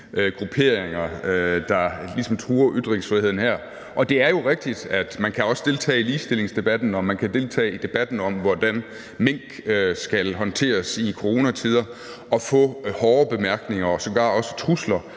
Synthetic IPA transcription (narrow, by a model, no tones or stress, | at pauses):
ʔɡ̥ʁupʰe̝ɐ̰eŋɐød̥ɑ̈lisɒ̽mt͡sʰʁuːɐʔyd̥ˠʁeŋsfʁiheðˠn̩hæɐ̰ | ʔɒ̽d̥e̝æɐjo̝ʁeɡ̥̚d̥id̥æd̥mænkʰæɒ̽sə̥d̥e̝lt͡sʰɛ̰ːiliːsd̥e̝le̝ŋsd̥e̝b̥æd̥n̩ɒ̽mænkʰæd̥e̝lt͡sʰɛ̰ːid̥e̝b̥æd̥n̩ɒ̽mʋɒd̥æn | me̝ŋ̰ɡ̥sɡ̥ælɦɒ̽nt͡sʰe̝̰ːɐsikʰo̝ʁo̝næt͡sʰið̞ˠɐ | ʔɒ̽fɔ̰̽ːhɒːb̥e̝mæɐɡ̥ne̝ŋɐɒ̽sɒ̽ɡ̥ɑ̰̈ːɒ̽sə̥t͡sʰʁuslɐ